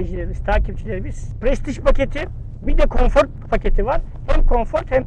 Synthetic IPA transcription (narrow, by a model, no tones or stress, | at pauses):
id͡ʒilʲeɾibiz̥t̪ʰaːcip̚t͡ʃʰilʲeɾibi̥pɾɛst̪ʰiʃpʰacʰe̞t̪ʰi | bid̪ɛkʰo̞nfoɾt̪̚pʰace̞t̪ʰivaɾ̥ | hɛmkʰo̞ɱfo̞ɾt̪hɛm